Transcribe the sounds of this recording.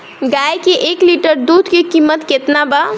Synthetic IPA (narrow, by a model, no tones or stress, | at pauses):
ɡajkeʔekliʈəɾd̪ud̪ʱkekimːət̪ket̪naba